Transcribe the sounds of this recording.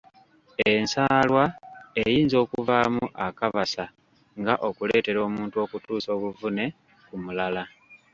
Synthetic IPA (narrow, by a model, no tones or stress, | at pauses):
e̞nsaːlwaejiːnzo̞ːkuvaːmuʔakaβasa | ŋɡaʔo̞kule̞ːte̞ɾo̞ːmuːntuo̞ːkutuːso̞ːβuvune̞ | kumulala